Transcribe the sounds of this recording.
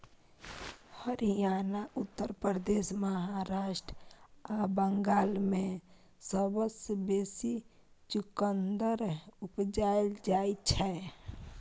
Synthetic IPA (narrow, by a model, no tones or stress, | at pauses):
həɾijanaʔut̪ːəɾpɾəd̪esməɦaɾaːʃʈɾabəŋɡaːlmẽ | səbəsbesi | t͡ʃukənd̪əɾupd͡ʒajld͡ʒait͡ʃʰɛ